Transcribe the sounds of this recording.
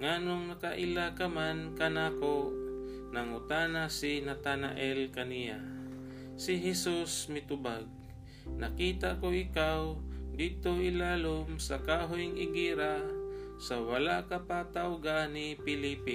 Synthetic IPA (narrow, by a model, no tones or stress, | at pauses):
ŋaːnoŋnɐkaʔɪlakamankanaːko | naŋʊt̪aːnasinat̪ana̰ʔɛlkanija | sɪɦɛsusmɪt̪ʊbaɡ̚ | nakiːt̪akoʔɪkawd̪iːt̪oʔɪlaːlomsakaɦojŋʔɪɡiːɾasawalaʔkapat̪awɡanipɪliːpi